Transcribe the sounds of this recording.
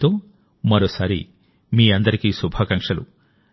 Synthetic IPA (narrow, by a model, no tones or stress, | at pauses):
t̪oː | mɐɾosɐɾḭ | miːɐnd̪ɐɾikisubʱɐkɐŋkʂɐlṵ